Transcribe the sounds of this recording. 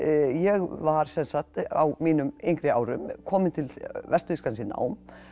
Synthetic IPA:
jɛɣvaɾ̥sɛnsaxt̪a̰wmiːnʏmejŋkɾɪaːwɾʏ̰mkʰɔːmɪnt̪ʰɪlvɛst̪ʏiskansiːna̰um

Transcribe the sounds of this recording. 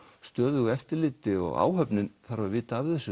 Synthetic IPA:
st̪œːðʏɣʏɛft̪ɪɾlɪːt̪ɪɔ̰ɣa̰ːwɦœpnɪnθaɾvaɾvɪːt̪aːvɪðɛsʏ

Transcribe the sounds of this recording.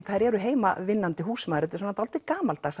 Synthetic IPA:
θaɾɛɾʏɦeːjma̰vɪnːant̪ɪɦuːsmaːðɾɛt̪ːɪ̥sɔnat̪alt̪ɪkaːmalt̪aːs

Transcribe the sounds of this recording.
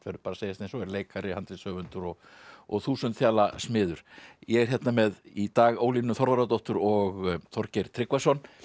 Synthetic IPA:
fɛɾʏpaːɾaseːjast̪ensɔɛɾleːjkʰaɾɪhant̪ɾɪsœːvʏnt̪ʏɾɔɣ | ɔ̰ɣθuːsʏnt̪θjaːlasmɪːðʏɾ̥jɛɣɛɾ̥hjɛt̪namɛðit̪aːɣoːwlinʏθɔɾvaɾat̪ɔht̪ʏɾɔɣθɔɾcejɾ̥t̪ʰɾɪkvasɔn

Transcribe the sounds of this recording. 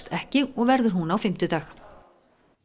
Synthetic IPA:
t̪ʰɛhcɪɔɣvɛɾðʏɾ̥ɦunawfɪm̥t̪ʏt̪aːx

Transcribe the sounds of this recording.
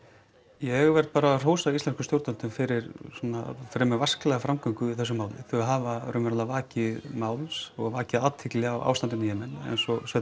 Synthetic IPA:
jɛɣvɛɾt̪paːɾaːr̥oːwsawist̪ɛnskʏst̪jowɾt̪ɔnt̪ʏmfɪɾɪɾsɔna̰fɾɛːmʏvasklɛɣafɾamkœŋkʏɪθɛs̬ːʏmaːwlɪ̰θœɦaːvaɾʏmɾalavaːcɪmaːwlsɔ̰ɣvaːcɪðaːt̪ʰhɪklɪawʔa̰wfst̪ant̪ɪnɪjɛːmɛnɛ̰nsɔsɛ

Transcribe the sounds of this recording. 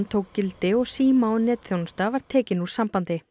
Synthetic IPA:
nt̪ʰowkcɪlt̪ɪɔɣsiːmaɔwnɛːt̪θjownst̪avaɾ̥t̪ʰɛːcɪnu̥sampant̪ɪ

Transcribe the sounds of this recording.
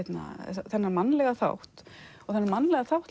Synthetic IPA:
t̪na̰θɛnːaɾmanːlɛɣaθa̰wht̪ɔθɛnːaɾmanlɛɣaθawht̪

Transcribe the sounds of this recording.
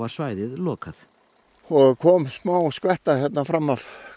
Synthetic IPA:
vaɾ̥svaːjðɪðlɔːkaθ | ɔɣkʰɔːmsmaːwskvɛht̪açjɛt̪nafɾamːav

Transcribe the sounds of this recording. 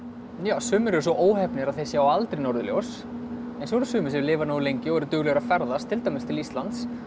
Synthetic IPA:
jaːwsʏːmɾɛɾʏs̬ɔʔoːwɦɛpnɪɾaðθejsjaːwalt̪ɾɪnɔɾðʏljo̰ws | ɛnsvɔɾʏ̥sʏːmɪs̬ɛvɪɾlɪːvanowlejɲcɪɔɣɛɾʏt̪ʏːɣlɛɣɾafɛɾðast̪ʰɪlt̪aːjmɪst̪ʰɪlist̪lant̪s

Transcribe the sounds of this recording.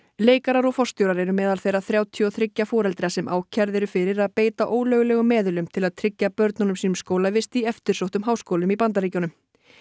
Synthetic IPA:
leːjkaɾaɾɔɣfɔr̥st̪jowɾaɾɛɾʏmɛːðalθejrːaθɾjaːwt̪ʰiɔθɾɪcːafɔːɾɛlt̪ɾɪasɛmʔaːwcʰɛɾðɛɾʏfɪɾɪɾaðpeːjt̪aʔoːwlœːɣʏlɛːɣʏmːɛːðʏlʏmt̪ʰɪlaðt̪ʰɾɪcːapœɾt̪nɔnʏmsiːnʏmskoːwlavɪst̪iɛft̪ʏɾ̥sowht̪ʏmɦaːwskowlʏmipant̪aɾiːc̬awnʏm

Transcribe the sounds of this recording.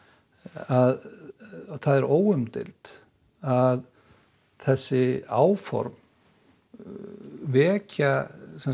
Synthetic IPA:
að | θaðɛɾʔoːwʏmt̪ɪ̰lt̪ | að | θɛsːɪaːwfɔ̰ɾm | vɛːcʰasɛn

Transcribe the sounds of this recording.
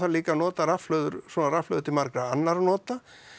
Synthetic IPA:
θaɾliːkanɔːt̪araflœːðʏɾswɔːnaɾaflœːðʏt̪ʰɪlmaɾkɾaanːaɾnɔːt̪a

